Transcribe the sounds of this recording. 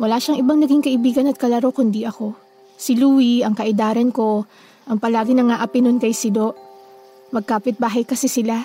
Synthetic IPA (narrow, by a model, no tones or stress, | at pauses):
wɐlaːʃɐŋʔɪbaŋnɐɡiŋkɐʔɪbiːɡɐnɐt̪̚kɐlɐɾokʊnd̪iʔɐko̞ | sɪluːwiɐŋkɐʔɪd̪aːɾɐnko̞ | ʔɐŋpɐlaːɡɪnɐŋaʔɐpɪnʊnkɐjsɪd̪oʔ | mɐɡ̚kaːpɪt̪̚baːɦɐjkɐsɛsɪla